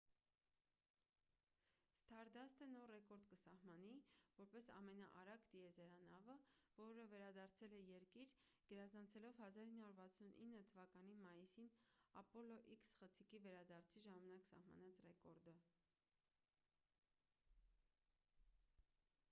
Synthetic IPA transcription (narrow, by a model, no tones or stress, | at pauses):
st̪ʰɑɾd̪ɑst̪ənɔɾrɛkɔɾd̪kəsɑhmɑnivɔɾpɛsɑ̰mɛnɑ̰ʔɑɾɑɡt̪iɛzɛɾɑnɑvəvɔɾəvɛɾɑd̪ɑɾt͡sʰɛlɛjɛɾkiɾ | ɡ̥əɾɑzɑnt͡sʰɛlɔvhɑzɑɾinːɑuɾvɑt͡sʰunʔḭnːət̪ʰəvɑkɑnimɑjisinɑ̰pɔlɔʔiksχət͡sʰikivɛɾɑd̪ɑɾt͡sʰiʒɑmɑnɑksɑ̰hmɑ̰nɑt͡srɛkɔɾd̪ə